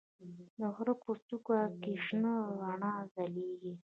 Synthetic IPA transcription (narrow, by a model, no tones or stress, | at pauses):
d̪əɣɾəpost̪ukwakiʂnəɣaɳɑzaleɡi